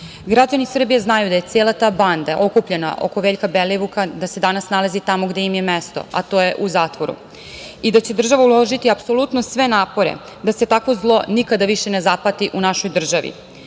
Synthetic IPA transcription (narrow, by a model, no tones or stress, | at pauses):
ɡɾad͡ʑanisr̩bijeznajud̪aje̞t̪se̞ːlˠat̪aband̪aʔo̞kupʎe̞na̰ʔo̞̰ko̞ʋe̞ːʎkabeliʋukad̪ased̪anasnalazit̪amo̞ɡd̪eimje̞mest̪o̞̰a̰t̪o̞ːje̞ʔuzaːt̪ʋoɾṵ | id̪at͡ɕed̪r̩ʒaʋaulo̞ʒit̪iapso̞lˠut̪nosʋe̞naːpo̞ɾḛ | d̪ase̞t̪akʋo̞zlˠo̞nikad̪aʋiʃenezaplat̪iʔunaʃo̞jd̪r̩ʒaʋḭ